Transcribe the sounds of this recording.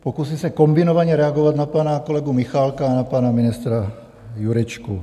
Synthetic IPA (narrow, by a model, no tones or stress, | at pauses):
pokusisɛkombinovaɲɛɾɛaɡovad̪napaːnakolɛɡumixalkaːnapaːnaminist̪ɾa | juɾɛt͡ʃku